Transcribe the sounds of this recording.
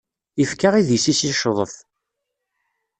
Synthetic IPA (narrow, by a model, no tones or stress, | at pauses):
ifkaʁiðisisiʃðˤəθ